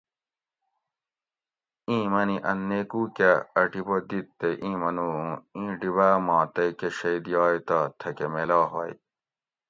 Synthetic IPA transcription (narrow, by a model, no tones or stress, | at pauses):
ĩːmɐniʔɐnːekuːkɐɐʈibod̪it̪ːeʔĩːmɐnũːĩːɖiβæːmɑ̃ːt̪ɐkeɕɐd̪jɑːjt̪ɐt̪ʰɐkemelɑːɦɐ̰j̰